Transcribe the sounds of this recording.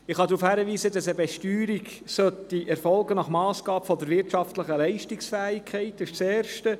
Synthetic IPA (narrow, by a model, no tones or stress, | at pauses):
ɪχhɑd̪ɾuːfhæːɾəʋiːzədɑsəbɛʃtyːɾiɡ | sœtiʔɛɾfɔlɡənɑχmɑːsɡ̥ɑːbfɔd̪əɾvɪɾtʃɑftləχəlɛɪʃtɪksfæːɪkʰɛɪtɪʃt͡seːɾʃtə